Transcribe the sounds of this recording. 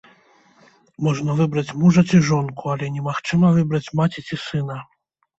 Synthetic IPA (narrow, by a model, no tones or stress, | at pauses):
mɔʐnɐvɨbɾɐt͡sʲmuʐɐt͡sʲiʐɔnkualʲɛnʲɛmaxt͡ʂɨmɐvɨbɾɐt͡sʲmat͡sʲit͡sʲisɨn̪ɐ